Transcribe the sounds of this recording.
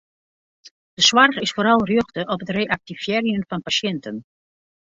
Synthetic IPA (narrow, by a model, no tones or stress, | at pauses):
d̥əswarɣɪsfoːɾɑlˠrjøχtəʔɔpətreːʔak̚tiv̥jɛːrjənfɑnpasɛntən